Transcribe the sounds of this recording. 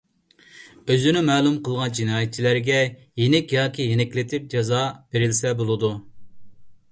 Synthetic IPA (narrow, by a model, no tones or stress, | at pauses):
øzynɪmɛːlˠumqəlˠʁɑnd͡ʒinɑːjɛt̪̚t͡ʃʰilæɾɡʲɛ | jenɛkʲjɑːkʲijenɛkʲlɪt̪ʰɪp̚d͡ʒɑzɑb̥eɾɪlsɛbolˠɨd̪u